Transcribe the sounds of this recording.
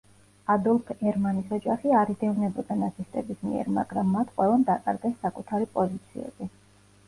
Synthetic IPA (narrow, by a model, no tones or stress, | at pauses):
ad̪ɔlˠpʰɛɾmanisɔd͡ʒaχiaɾid̪ɛunɛbɔd̪anat̪sʰist̪ʼɛbismḭɛ̰ɾma̰ɡ̥ɾamːat̪ʰqʼwɛlˠand̪akʼa̰ɾɡɛsːakʼut̪ʰaɾipʼɔzit̪sʰiɛ̰b̥i